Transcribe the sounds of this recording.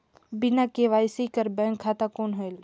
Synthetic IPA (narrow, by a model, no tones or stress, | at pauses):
bɪnakeʋaːjsikəɾbɛ̃ːŋkʰːaːt̪akoːnɦoel